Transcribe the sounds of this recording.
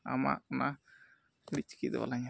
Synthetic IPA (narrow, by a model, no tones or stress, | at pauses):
a̰ma̰ʔna | lit͡ʃkid̪̰ba̰laɲa